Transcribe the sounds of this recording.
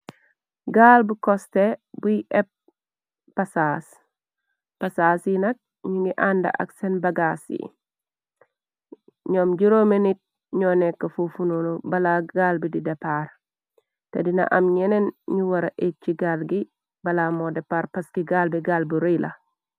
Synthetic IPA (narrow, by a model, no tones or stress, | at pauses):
ɡaːlbukɔstɛbuiʔɛp̚ː | ɐsas | pɐsasinɐk̚ | ɲiŋɡiʔandɐ̰ʔɐ̰ksɛnbɐɡasḭ | ɲɔːmd͡ʒuɾomenit̚ | ɲɔːnɛkːɐfufunolɔbɐlaɡalbididɛpaːɾ | tɐdinɐ̰ʔɐmɲɛnɛnɲuwɐɾɐʔet͡ʃːiɡalɡi | bɐlamɔdɛpaɾpɐskiɡaːlbiɡaːlbuɾilʔɐ̰